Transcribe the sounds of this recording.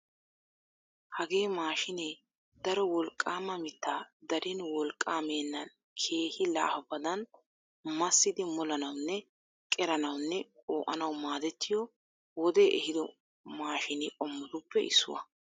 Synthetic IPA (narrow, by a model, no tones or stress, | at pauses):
hɐɡe̞ːmaːʃɪneː | d̪ɐɾɔwɔlkʼːaːmɐmɪt̪ːaːd̪ɐɾʔɪnwɔlkʼːaːmeːnːɐn | kʰe̞ːhɪla̰ːhɐbɐd̪ɐn | mɐsːɪd̪ɪmɔlɐnɐwnːɛ | kʼɛɾɐnɐwnːɛoːʔɐnɐwmaːd̪ɛt̪ːɪjɔ | wɔd̪eːʔɛhɪd̪ɔ | maːʃɪnɪʔʼɔmːʊd̪ʊpːɛɪ̰sːʊ̰wɐ̰